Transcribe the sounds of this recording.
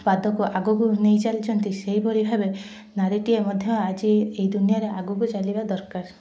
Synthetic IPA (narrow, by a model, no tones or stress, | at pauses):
pad̪ʱɔkuʔaɡuɡunejt͡ʃalit͡ʃʰɔnt̪iseɦibʱɔɾibʱabe | naɾiʈiemɔd̪ʱjɔad͡ʒieid̪unijaɾeʔaɡuɡut͡ʃalibad̪ɔɾkaɾ